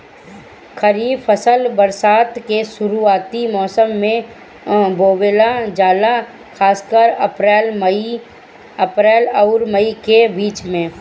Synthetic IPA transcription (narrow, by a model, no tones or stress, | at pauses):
kʰəɾiːfəsəlbəɾsaːt̪keʃʊɾuaːt̪imɔːsəmːẽ | boːwelad͡ʒaːla | kʰaːskəɾəpɾɛːlmi | əpɾɛːlɐʊɾməikebiːt͡ʃmẽː